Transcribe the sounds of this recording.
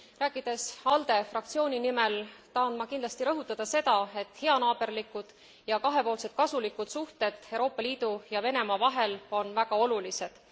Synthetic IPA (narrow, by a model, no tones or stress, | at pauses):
ræːkːˑid̪̥e̞sɑld̪̥e̞frɑkt̪sio̞ːnʲinime̞lt̪ɑːnd̪mɑkind̪lɑst̪iɾɤɦut̪ːˑɑd̪̥ɑse̞d̪̥ɑe̞t̪ːˑhe̞ɑnɑːb̥e̞rlikːˑud̪̥ | jɑkɑɦe̞po̞ːlse̞d̪̥̚kɑsulikːˑud̪̥suht̪e̞d̪̥ewɾo̞ːpːˑɑliːd̪ujɑve̞ne̞mɑvɑɦe̞lo̞nvæɡ̥ɑo̞lulise̞d̪̥